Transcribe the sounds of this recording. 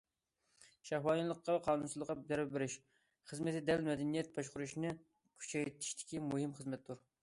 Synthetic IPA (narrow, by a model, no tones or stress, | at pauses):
ʃæhwɑːnilˠəqːɑqʰɑːnunsɨzˠəʁɑd̪ɛɾbɪɾɪʃ | χəzmɪt̪ɪd̪ɛlmɛd̪ɛnijɛt̪̚bɑʃqʊɾuʃnɨ | kʲʰy̥t͡ʃʰɛjt̪ʰi̥ʃt̪ʰɪ̥kʲimuɦɨmχəzmɛt̪d̪uɾ